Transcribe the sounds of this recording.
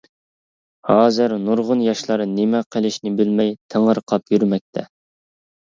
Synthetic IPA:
hɑːzɨɾnuɾʁʊnjɑʃlˠɑɾnɪmɛqʰəlˠɪʃnɪbɪlmɛjt̪ʰeŋəɾqʰɑpjyɾmɛk̚ʲt̪ʰɛ̰

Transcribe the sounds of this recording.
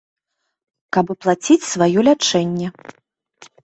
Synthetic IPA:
kɐbɨplˠat͡sʲit͡sʲsvajɔlʲat͡ʂɛnʲːɛ

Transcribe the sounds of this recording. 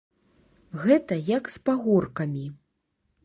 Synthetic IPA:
ɣɛt̪ɐjɐkspaɣɔrkɐmʲi

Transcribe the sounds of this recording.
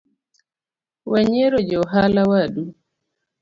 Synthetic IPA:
wɛɲɛɾɔd͡ʒɔɔɦalawaɗu

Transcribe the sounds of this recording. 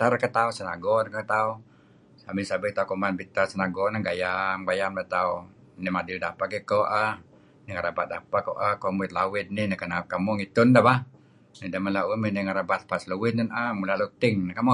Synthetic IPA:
t̪aɾkət̪ausəna̰ɡɔnkət̪au | samɪsabɪt̪aukomanbit̪asənaɡɔnaɡajamɡajamlat̪au | nɛmadɪldapaʔɡɛkoʔah | niŋaɾabat̪̚dapakoʔahkomuɪt̪̚lawɪd̪̚nɪnakənakamɔŋit̪ʊndaba | nidamalauminɛŋaɾabat̪̚pasluwɪt̪̚nənʔamulalut̪ɪŋnakamɔ

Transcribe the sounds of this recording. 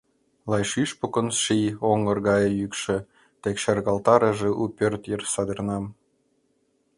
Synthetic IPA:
lˠɑjʃyʃpokə̆nsʃijoŋə̆rɣɑjɤ̆jykʃĕ | t̪ekʃerɣɑlt̪ɑɾəʒĕʔupʲørt̪jərsɑd̪ɤ̆rnɑm

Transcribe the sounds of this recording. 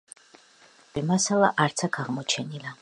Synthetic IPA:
imasalˠaʔaɾt̪sʰakʰaʁmɔt͡ʃʰɛnila

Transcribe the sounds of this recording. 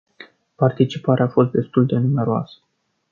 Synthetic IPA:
part̪it͡ʃipaɾeafo̞st̪̚d̪e̞st̪uld̪e̞nume̞ɾoa̰sə̥

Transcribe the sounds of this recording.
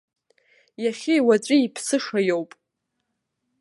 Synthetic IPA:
jaχʲɪjwat͡ɕʷʼiipʰsɨʂajowpʼ

